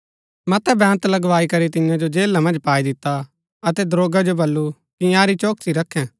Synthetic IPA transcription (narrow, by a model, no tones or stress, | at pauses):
mɐt̪ɛbɛ̃ːnt̪lɐɡʋaːikɐɾit̪ɪjãd͡ʒod͡ʒeːlːamɐ̃nd͡ʒpaːid̪ɪt̪ːa | ɐt̪ɛd̪ɾoːɡad͡ʒobɐlːu | kijãːɾit͡ʃoːksiɾɐkʰːɛ̃